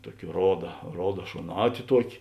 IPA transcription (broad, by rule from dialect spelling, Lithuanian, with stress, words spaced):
ˈtuɔkʲɪ ˈroːdɐ ˈroːdɐ ʃoːˈnɑːtʲɪ ˈtuɔkʲɪ